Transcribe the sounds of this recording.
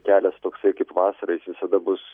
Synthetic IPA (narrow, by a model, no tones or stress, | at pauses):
kʲæːlʲɛst̪oːksɐɪkɐɪpʋɑːsɐɾɐɪsʋʲɪsɐd̪ɐbʊs